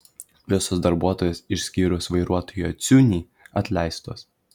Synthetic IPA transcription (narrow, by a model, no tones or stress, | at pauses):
ʋʲɪsoːsd̪ɐɾbuɔt̪oːjɛsɪʃʲsʲkʲiːɾʲʊsʋɐɪɾuɔt̪oːjoːt̪sʲunʲiː | ɐt̪ʲlʲɛˑɪst̪oːs